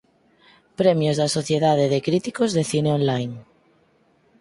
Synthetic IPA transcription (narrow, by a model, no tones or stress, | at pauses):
pɾemjozðasoθje̞ðað̞eðekɾit̪ikozðeθineõnlajn